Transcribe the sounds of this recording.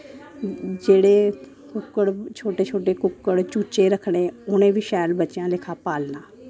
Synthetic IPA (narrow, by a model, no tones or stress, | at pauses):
d͡ʒeːɽeː | kʊkːəɽt͡ʃʰoːʈeːt͡ʃʰoːʈeːkʊkːəɽt͡ʃuːt͡ʃeːɾəkʰɽeːʊnẽːbiːʃɛːlbətːʃjãːlɪkʰaːpaːlnaː